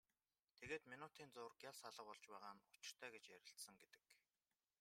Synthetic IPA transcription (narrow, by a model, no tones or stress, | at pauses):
t̪ʰeɣeːt̪minʊt̪iːnt͡sʊːrɡjasaɮə̆qɔɮt͡ɕpæːʁaːnʊt͡ɕɪ̆r̥t̪ʰæːɡet͡ɕjæɾʲɪ̆ɬt̪sə̆ŋɡet̪ɘ̥̆k